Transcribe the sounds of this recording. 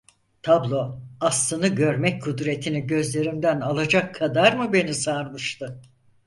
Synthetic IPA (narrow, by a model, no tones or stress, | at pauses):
t̪ʰablˠo̞aslˠɯnɯɟøɾmɛc̚kʰud̪ɾe̞t̪ʰiniɟø̞zlʲe̞ɾimd̪ænalˠad͡ʒakʰːad̪aɾmɯbe̞nisaɾmɯʃt̪ʰɯ